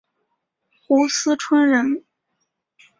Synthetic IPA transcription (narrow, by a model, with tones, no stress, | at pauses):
xu˧˥sɹ̩˥ʈ͡ʂʰwə˥nɻə˧˥n